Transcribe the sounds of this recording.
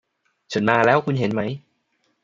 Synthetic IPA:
t͡ɕʰa˦˥nmaː˧lɛː˦˥wkʰu˧nɦe˩˦nma˦˥j

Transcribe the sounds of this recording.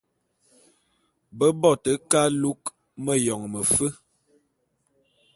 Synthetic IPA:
bə˦bɔ˦˨tə˨ka˦lu˦k | mə˦˨jɔ˨ŋmə˨fə˦

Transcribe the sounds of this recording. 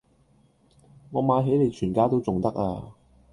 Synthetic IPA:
ŋɔː˨˧maː˨˧jɦe˨˥jne˨˧jt͡ʃʰyː˨˩nkaː˥t̪o˥wt͡sʊ˨ŋt̪ɐ˥k̚aː˧

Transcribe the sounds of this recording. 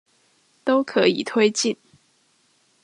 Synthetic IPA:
t̪o˥ʊkʰɤ˧˥ḭ˨˩t̪ʰwe˥ɪt͡ɕi˥˩n

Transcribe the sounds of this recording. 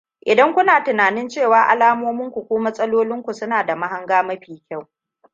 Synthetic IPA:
ʔɪ˨dɐ˦ŋkʷʊ˦naː˨tɪ˨naː˨nɪ˦nt͡ʃeː˦˨waː˨ʔa̰˨laː˦moː˦mɪ˦ŋkʷu˨kʷoː˦mɐ˦sʼɐ˦loː˦lɪ˦ŋkʷu˨sʊ˦naː˨da˨ma˦ɦa˦ŋɡaː˦mɐ˦ɸiː˨kʲa˦˨w

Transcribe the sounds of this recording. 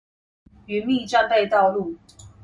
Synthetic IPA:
y˨˦nmi˥˨ʈ͡ʂa˥˧ŋpe˥˧ɪt̪ɑ˥˧ʊlu˥˩

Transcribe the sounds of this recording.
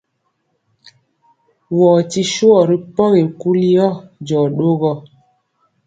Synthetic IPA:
wɔː˨ti˦ʃu˦ɔ˨ɾi˦pɔ˦ɣe˨ku˦li˦jɔ˦d͡ʒɔ˨ɗo˦ɣɔ˦˨

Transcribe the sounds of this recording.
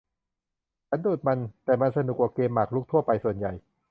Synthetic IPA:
t͡ɕʰa˦˥nduː˨˩t̪̚ma˧nt̪ɛː˨˩ma˧nsa˧nu˨˩k̚waː˨˩keː˧mːaː˨˩k̚luː˥˩k̚t̪ʰu˥˩ɐpa˧jsu˨˩ənja˨˩j

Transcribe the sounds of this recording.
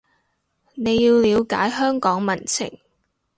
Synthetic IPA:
ne˨˧jjiː˧wliː˨˧wka̰ː˨˥jɦœː˥ŋkɔː˨˥ŋmɐ˨˩nt͡sʰɪ̰˨˩ŋ

